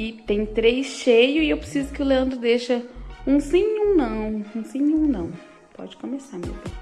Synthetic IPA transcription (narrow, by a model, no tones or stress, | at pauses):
ɪt̪ẽj̃t̪ɾejsʃejʊɪewpɾesizʊkɪʊleɐ̃nd̪ɾʊd̪eʃɐũsĩũnɐ̃w̃ũsĩjũnɐ̃w̃ | pɔ̰d͡ʒɪkõmesamḛbẽj̃